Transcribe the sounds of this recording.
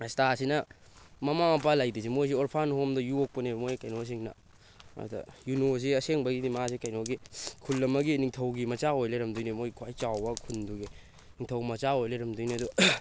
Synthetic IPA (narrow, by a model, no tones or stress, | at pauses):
stasinɐ | mɐmapalajdisimojs̬ioɾpʰanhomdɐjuok̚pɐnemojkɐjnos̬iŋnɐ̰ | dɐ̰junos̬iɐseŋbɐɡidimaasikajnoɡikʰulːɐmːɐɡiniŋtʰɐwɡimɐt͡ʃaojlɐɾɐmdujnimojkʰwajt͡ʃawbɐkʰunduɡi | niŋtʰɐwmɐt͡ʃaojlɐɾɐmdujniɐdu